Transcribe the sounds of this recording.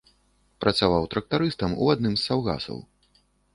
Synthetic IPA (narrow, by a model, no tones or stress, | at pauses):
pɾʔɐt̪savawt̪ɾɐk̚t̪aɾɨst̪ɐmṵad̪nɨmzːawɣa̰sɐ̰w